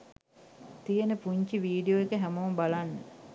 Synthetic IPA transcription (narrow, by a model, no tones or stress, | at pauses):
t̪ijenəpuɲt͡ʃiʋiːɖijoekəɦæmoːmbalanːə